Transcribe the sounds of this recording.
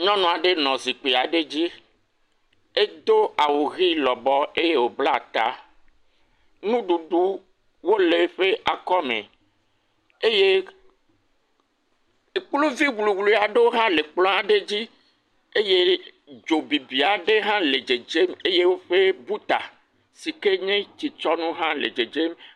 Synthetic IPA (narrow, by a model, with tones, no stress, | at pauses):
ɲɔ̃˦nɔ̃˨a˨ɖe˦nɔ̃˨zi˨k͡pe˨a˨ɖe˦d͡ʑi˦ | e˦d̪o˦a˨wo˨ɣi˦lɔ˨bɔ˦e˦je˦wo˨bla˦˨t̪a̰˦ | nũ˦ɖu˨ɖu˦ | wo˦le˦ɸe˦ʔa˨kɔ˦mḛ̃˨ | e˦je˦˨ | k͡plu˦vi˦wlu˨wlu˨a˨ɖe˦wo˦ɦã˦le˨k͡plɔ̃˦a˨ɖe˦d͡ʑi˦ | e˦je˦ | d͡ʒo˨bi˨bi˨a˨ɖe˦ɦã˦le˨d͡ʒe˨d͡ʒe˦me˦je˦wo˦ɸe˦bu˦t̪a˨ | si˨ke˦ɲẽ˦t͡ɕi˨t͡ʃɔ˦nũ˦ɦã˦lḛ˨d͡ʒe˨d͡ʒe˦m